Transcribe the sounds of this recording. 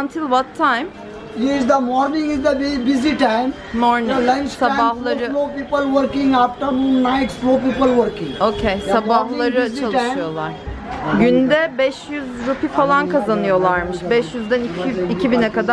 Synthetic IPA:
ant̪ʰilˠʋat̪ʰːajm | iɪzd̪əmɔːɾnɪ̃ŋɪzd̪əbbɪziʈãɪm | moɾnilɐ̃nt͡ʃsabahlˠaɾɯloːpiːpəlʋəɾkɪ̃ŋɡaːfʈəɾmũːnːaɪʈloːpiːpəlʋəɾkɪ̃ŋɡoːcʰejsabahlˠaɾɯt͡ʃalɯʃɯjo̞lˠaɾ̥ɟynd̪ɛbɛʃjyzɾupifalˠankʰazanɯjo̞lˠaɾmɯʃbɛʃjyzd̪æniiicʰibinɛkad̪a

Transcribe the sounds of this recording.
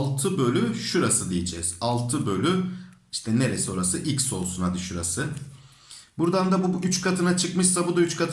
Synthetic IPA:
lˠt̪ʰɯbø̞lʲyʃuɾasɯd̪ijid͡ʒɛ̰z̥alˠt̪ʰɯbø̞lʲy | iʃt̪ʰɛne̞ɾesio̞ɾasɯʔilʲcso̞lˠsunad̪ɯʃuɾasɯ | buɾd̪and̪abuyt͡ʃkʰat̪ʰɯnat͡ʃʰɯkmɯʃsabud̪ayt͡ʃkʰat̪ʰ

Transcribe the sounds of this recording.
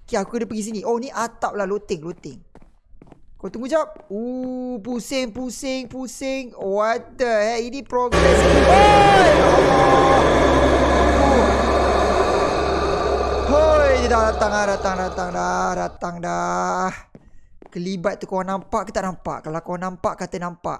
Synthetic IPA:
kiakukədəpəɡis̬iniʔoniʔat̪ap̚lahlot̪ɪŋlot̪ɪŋ | kot̪uŋud͡ʒap̚upusɪŋpusɪŋpusɪŋoadahɛinipɾoɡɾɛswa | u | hojdidadat̪aŋadat̪aŋdat̪aŋdahdat̪aŋdahkəlibat̪̚ːukowaŋnampaʔkət̪aʔnampa̰ʔkalakowaŋnampaʔkat̪ənampa̰ʔ

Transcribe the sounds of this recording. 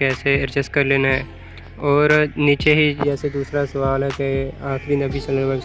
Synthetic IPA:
ɛːseɪɾd͡ʒɪskɐɾleːnaɦɛː | ɔːɾniːt͡ʃeɦid͡ʒɛːsed̪uːsɾasɐʋaːlɦɛkeaːxɾinɐbʱit͡ʃɐlneba

